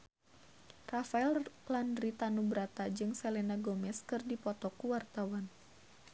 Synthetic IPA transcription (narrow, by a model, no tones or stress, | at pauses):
rafaɛllandɾit̪anubəɾat̪ad͡ʒɨŋsɛlɛnaɡɔmɛskɨrdipɔt̪ɔkuwart̪awan